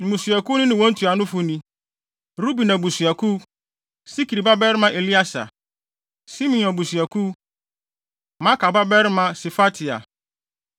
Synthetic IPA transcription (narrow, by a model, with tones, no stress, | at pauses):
ñ̩˨mũ˨su˨æ˨ku˦nʊ̃˦nɪ̃˨wɔ̃˦n̩˦tʰu˨a˨nʊ̃˦fʊ˨˦nĩ˨ | ɾu˦bi˨nã˨bu˨su˨æ˨kʰu˦ | si˦ki˨ɾi˨ba˦bɛ˦ɾɪ˦mã˦ʔe˨li˦a˦sa̰˨ | si˦mĩ˨ɔ̃˨bu˨sɥæ˨kʰu˦ | mã˦kʰa˨ba˦bɛ˦ɾmã˨si˨fa˦tʰɪ˨a̰˨